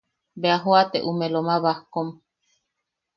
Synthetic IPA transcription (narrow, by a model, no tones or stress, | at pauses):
beaɦoat̪eʔumẽlomaβahkom